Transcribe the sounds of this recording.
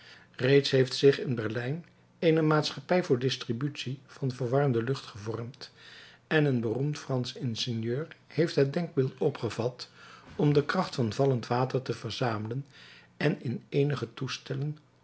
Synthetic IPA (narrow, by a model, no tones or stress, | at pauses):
rejtsɦejftsɪχɪnbɛɹlɛjn | ejnəmaːtsχɑpɛjvʊːɹdɪstribytsiv̥ɑnvəɹʋɑrəmdəlɵχtχəvɔɹmt | ɛnənbərumtfrɑnsɪnsɪnjøːɹhejftɦət̚dɛŋɡ̚bɪːlˠtɔpχəvɑtɔmdəkrɑχtfɑnvɑləntʋaːtəɹtəvəɹzaːmələn | ɛnɪnejnəχətustɛlən